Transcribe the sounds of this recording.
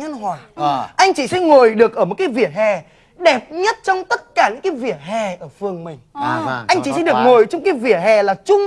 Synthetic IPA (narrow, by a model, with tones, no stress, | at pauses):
ɲə˧nɦwaː˨˩ʔa˧jŋ̟t͡ɕi˧˩sɛ̰˧˥ŋo˨˩jɗɨ˨˩ək̚ʔəː˧˩m˨˩t̚kaː˨˦jvḭ˧˩ət̚hɛ˨˩ | ɗɛ˨˩p̚ɲə˦˥t̚t͡ɕɔ˧wŋ͡mt̪ə˦˥t̚kaː˧˩ɲɨ̰˧˥ŋkaː˨˦jvḭ˧˨˩ət̚hɛ˨˩ʔəː˧˩fɨ˨˩əŋmï˨˩ŋ̟ʔa˧jŋ̟t͡ɕi˧˩sɛ̰˧˥ɗɨ˨˩ək̚ŋo˨˩jt͡ɕɔ˧wŋ͡mkaː˨˦jvḭ˧˩əhɛ˨˩laː˨˩t͡ɕʊ˧ŋ͡m